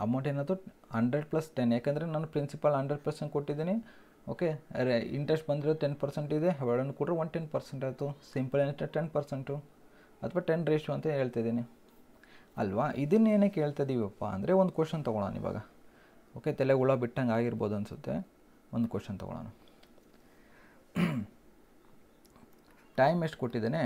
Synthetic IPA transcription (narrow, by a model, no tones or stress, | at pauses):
ɐmɐwɳʈeːnaːd̪ɾu | hɐɳɖɾeɖ̚plɐsʈenːjaːkeːnd̪ɐɾenaːnupɾinsipɐlɦɐɳɖɾeɖ̚plɐɾseɳʈ̚koʈːid̪iːni | oːke̞ḭɳʈɾesʈbɐnd̪iɾod̪uʈenpɐɾseɳʈid̪e̞ɦɐʋeɭɐnːukuːʈɾɐʋɐnd̪ʈenpɐɾseɳʈaːjt̪usimpɐlensʈ̪ːeʈenpɐɾseɳʈu | ɐt̪ʰʋaːʈenɾeːʂjuɐnt̪ɐɦe̞ːɭt̪ajd̪iːni | ɐ̰lʋaʔid̪ɐnːeːneːke̞ːɭt̪ɐjd̪iːʋiɐpːa̰ɐ̰nd̪ɐɾe̞ond̪ukoːʂɐnt̪ɐɡɔɭa̰ːnḭʋa̰ːɡɐ | oːke̞t̪ɛleɡuɭɐbiʈːɐŋɡaːɡiɾboːd̪uɐnsut̪ːe̞̰ | ond̪ukoːʂɐnt̪ɔ̰ɡɔ̰ɭa̰ːnu | ʈɐjmeʂʈkoʈːid̪ene